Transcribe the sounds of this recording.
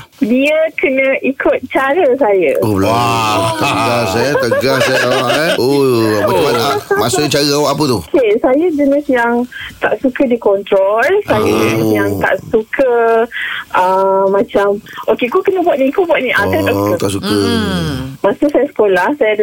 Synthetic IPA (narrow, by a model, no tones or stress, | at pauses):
diəkənə̃ʔikʰʊt̪̚t͡ʃaɾəsajə̰oblat̪əɡasɛt̪əɡassajət̪awahɛoaamaaamasət͡ʃaɾəawaʔapət̪ukʰesajəd͡ʒənɪsjaŋt̪a̰ʔsukədikɔnt̪ɾolsajəjaŋt̪a̰ʔsukʰə | ʔəmãt͡ʃamʔokekukənəbuat̪̚nĩkubwat̪̚nĩʔaat̪aət̪a̰ʔsukə | mãsəsajəsə̥kolahsajə